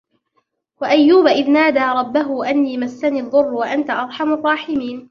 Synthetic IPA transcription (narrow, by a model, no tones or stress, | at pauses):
waʔajːuːbaʔɪðnaːd̪aːɾˤɑbːaɦʊʔanːiːmasːaniːðˤːʊrˤːwaʔant̪aʔɑɾˤħɑmʊrˤːɑːħɪmiːn